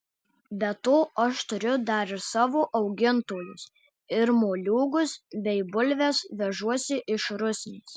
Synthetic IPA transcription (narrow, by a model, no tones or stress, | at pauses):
bʲɛt̪oːʔɐʃt̪ʊɾʲʊd̪ɐɾɪɾsɑːʋoːʔɐʊɡʲɪnt̪oːlʲʊs | ɪɾmoːlʲuːɡʊsbʲɛɪbʊlʲʋʲɛsʋʲɛʒuɔsʲɪʔɪʃɾʊsʲnʲeːs